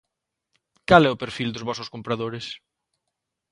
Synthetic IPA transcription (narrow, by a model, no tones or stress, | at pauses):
kalɛʊpeɾfild̪ʊzβɔsʊskompɾaðoɾɪs